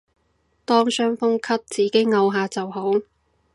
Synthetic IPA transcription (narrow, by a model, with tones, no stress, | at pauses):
t̪ɔː˥ŋsœː˥ŋfʊ˥ŋkʰɐ˥p̚t͡siː˨˥ke˨˥jŋɐ˧wɦaː˨˧t͡sɐ˨wɦo˨˥w